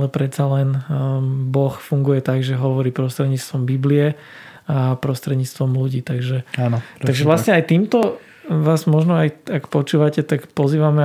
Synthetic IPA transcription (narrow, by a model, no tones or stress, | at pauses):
lɛpɾɛt̪t͡salɛn | bɔxfuŋɡujɛt̪aɡʒɛɦɔʋɔɾiːpɾɔst̪ɾɛd̪ɲiːt͡st̪ʋɔmbibliɛ | apɾɔst̪ɾɛd̪ɲiːt͡st̪ʋɔmluɟiːt̪aɡʒɛantaɡʒɛʋlasɲɛajt̪iːmt̪ɔ | ʋaːzmɔʒnɔajakpɔt͡ʃuːʋacɛt̪akpɔziːʋamɛ